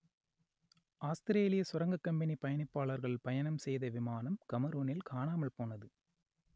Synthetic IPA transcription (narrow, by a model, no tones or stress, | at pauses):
ʔaːst̪ɪɾeːlɪjɐsʊɾɐŋɡɐkːɐmbɐnipːɐjɐnɪpːaːɭɐɾɣɐɭpɐjɐnɐmsɛjðɐʋɪmaːnɐmkɐmɐɾoːnɪlkaːɳaːmɐɭpoːnɐðɯ